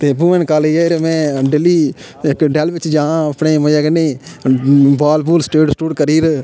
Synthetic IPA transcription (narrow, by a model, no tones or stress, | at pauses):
t̪eːbuːʋɛ̃nkaːleeːɾmɛ̃ːɖeːliː | ɪkɖɛːlʋɪt͡ʃd͡ʒãːãəpneːməjaːɡəneː | baːlbuːlsʈeːɖsʈuːɖkəɾiːɾ